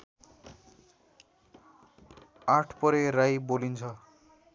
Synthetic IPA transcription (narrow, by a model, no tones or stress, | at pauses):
aʈʰpʌɾeɾajbolint͡sʰʌ